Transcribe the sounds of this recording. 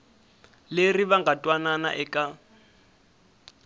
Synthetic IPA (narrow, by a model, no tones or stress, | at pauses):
leriβaŋɡʱatʼwanana̰ʔɛkʼa